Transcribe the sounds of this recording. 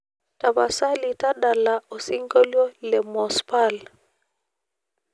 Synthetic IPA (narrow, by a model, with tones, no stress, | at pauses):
ta˨ba˨sa˦li˨ta˦ɗa˨la˨ʔo˨si˦ŋɡo˦ljɔ˦lɛ˨mɔ˨spa˦˨l